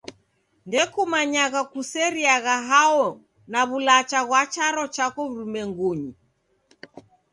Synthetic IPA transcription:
ndɛkumaɲaɣakusɛɾiaɣaɦaɔ | naβulat͡ʃaɣwat͡ʃaɾɔt͡ʃakɔβ̩ɾumɛŋɡuɲi

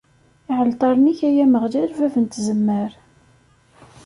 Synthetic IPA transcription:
iʕəlt̪ˤɑɾˤniçæjæməʁdælvævənt̪zəmːəɾ

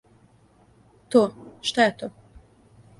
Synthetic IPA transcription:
t̪oːʃt̪ajet̪oː

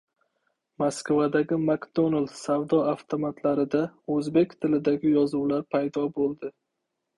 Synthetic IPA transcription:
maskvad̪aɡʲɪmakd̪onalsavd̪ɒaft̪ʰomat̪laɾɪd̪aɵzbe̞kʲt̪ʰɪlɪd̪aɡʲɪjɒzuwlaɾpʰajd̪ɒbolˠd̪ɪ

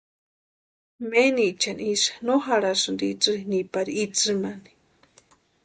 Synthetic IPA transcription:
menit͡ʃanisḁnoɦaɺasɨnd̪it͡sɨinipaɾiit͡sɨmani̥

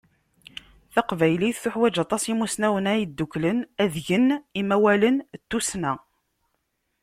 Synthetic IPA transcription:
θɑqvæjliθθʊħwæd͡ʒɑt̪ˤɑsimusnæwənajid̪ːuklənæðʝənimæwælənt̪ːusnæ

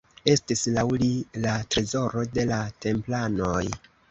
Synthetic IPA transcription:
e̞stislawlilatɾezo̞ɾo̞de̞late̞mplano̞j

